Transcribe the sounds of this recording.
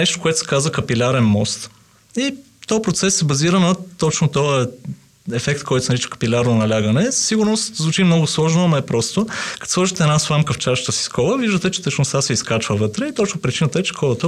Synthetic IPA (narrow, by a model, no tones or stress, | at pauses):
nɛʃt̪o̥koɛt̪o̥sɛ̥kazvəkɐpilʲaɾɛnmɔst̪ | i | t̪ɔjəpɾot̪sɛsːɛbɐziɾənɐt̪ɔt͡ʃnot̪ɔə | ɛfɛkt̪kɔjt̪osnɐɾit͡ʃə̥kɐ̥pilʲaɾnonɐlʲaɡənɛsə̥siɡʊɾnost̪zvut͡ʃimnɔɡʊslˠɔʒnoɐmɐɛpɾɔst̪okɐ̥t̪slˠɔʒit̪ɛnasvˠamkəft͡ʃaʃt̪əsi̥skɔlˠəviʒd̪ət̪ɛt͡ʃɛ̥t̪ɛt͡ʃnost̪asɛiskat͡ʃvəvɤt̪ɾɛit̪ɔt͡ʃnopɾit͡ʃinət̪əɛt͡ʃɛ̥kʰɔlˠət̪ə